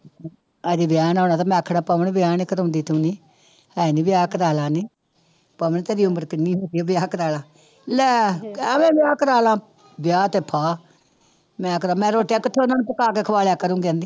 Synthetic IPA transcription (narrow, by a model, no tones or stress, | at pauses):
əd͡ʒiʋɪjaːnaːnaːt̪̬aːmɛ̃ːəkʰːɽaːpəʋəɳʋɪjaːnikəɾõːnd̪iːt̪ũːniː | hɛːniːʋɪjaːkəɾaːlaːniː | pəʋəɳt̪ɛːɾiːʊmbəɾkɪnĩːɦoːɡiaʋɪjaːkəɾaːlaː | lɛːɛːmẽːʋɪjaːkəɾaːlãː | bɪjaːt̪eːpʰaː | mɛ̃ːkəɾãːmɛ̃ːɾoːʈejaːkɪt̪ʰːoːnãːnũpəkaːkeːkʰəʋaːljaːkəɾũːɡɛ̃ːnd̪iː